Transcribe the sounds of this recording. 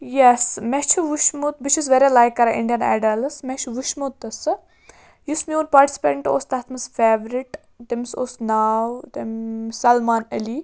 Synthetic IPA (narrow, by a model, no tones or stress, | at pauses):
jɛsmɛt͡ʃʰuʋuʃmut̪̚bit͡ʃʰizʋeɾilajkːɐɾɐʔḭɳɖijɐna̰ːɖɐlsmɛt͡ʃʰʋuʃmut̪ːɨsɨ | jusmiuːnpaːɾʈi̥sʲi̥pḛːʈɳʈuoːst̪ɐt̪ʰmɐsfeːʋɾiʈ | d̪emso̰ːsnaːwd̪emsɐlmaːnɐli